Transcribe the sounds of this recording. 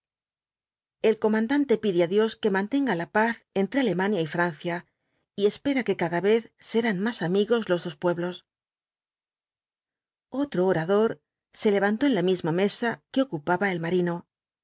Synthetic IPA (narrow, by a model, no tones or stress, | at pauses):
e̞lko̞mãnd̪ant̪e̞piðeaðjo̞ske̞mãnt̪e̞ŋɡalapaθe̞nt̪ɾe̞ale̞manjaifɾanθja | ie̞spe̞ɾake̞kaðaβe̞θse̞ɾanmasamiɣo̞zlo̞zðo̞spwe̞βlo̞s | o̞t̪ɾo̞ːɾaðo̞ɾ | se̞le̞βant̪o̞enlamizmame̞sake̞o̞kupaβae̞lmaɾino̞